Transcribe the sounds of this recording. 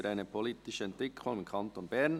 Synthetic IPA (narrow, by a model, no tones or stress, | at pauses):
ɾʔaɪnəpʰoliːtɪʃəɛntʋɪkʰʊŋɪmkʰɑntoːnbɛɾn